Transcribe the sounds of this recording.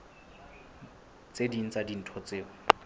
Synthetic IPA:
t͡sedin̩t͡sadin̩tʰɔt͡seːɔ

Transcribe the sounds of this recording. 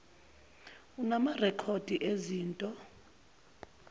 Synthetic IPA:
unamarɛkʰod̥ʱiʔeziːntʼɔ

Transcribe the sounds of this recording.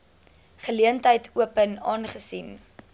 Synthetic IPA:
χəliəntəjtʰuəpənɑːnχəsin

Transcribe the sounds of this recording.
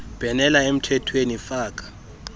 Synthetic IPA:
b̥ʱɛnɛlaem̩tʰɛtʰwenifaːk̬ʼḁ

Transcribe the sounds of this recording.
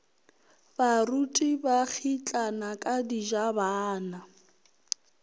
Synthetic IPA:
barutʼibak͡xʰit͡ɬʼanakʼadid͡ʒabaːna

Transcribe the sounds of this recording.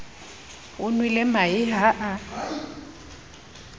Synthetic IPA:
ʊnwɪlɛmaɪɦaʔa

